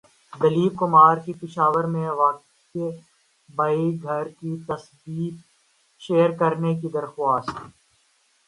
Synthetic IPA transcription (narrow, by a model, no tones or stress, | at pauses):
d̪ɐliːb̚kʊmaːɾkipɪʃaːʋəɾmẽʋaːk̚ | ke | baiɡʱɐɾkit̪ɐsb̪iːt̪ | ʃeːəɾkɐɾnekid̪ɐɾxwaːstt̪